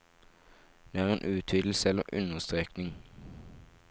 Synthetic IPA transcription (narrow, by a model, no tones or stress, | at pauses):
d̪̥eːæːʁeːnʔʉːt̪ʰyːd̪l̩səɛlə̰ʁʔʉ̰nəst̪ʁeːknɪŋ